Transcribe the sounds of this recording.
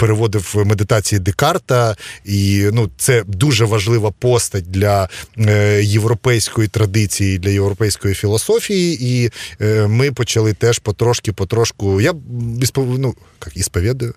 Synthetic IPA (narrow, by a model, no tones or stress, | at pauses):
peɾeʋɔd̪ɪwmed̪ɪt̪ɑt͡sʲijid̪ekɑrt̪ɐinut̪sɛd̪uʒɛʋɐʒlˠɪʋɐpɔst̪ɐt̚ʲd̪lʲɐ | jeʋɾɔpɛjsʲkɔjit̪ɾɐd̪ɪt͡sʲijid̪lʲɐjewɾɔpɛjsʲkɔjifʲilˠɔsɔfʲijii | mɪpɔt͡ʃɐlˠɪt̪ɛʃpɔt̪ɾɔʃkʲɪpɔt̪ɾɔʃkʊjaispɔnu | kɑkispɔʋʲɛd̪ɐjʊ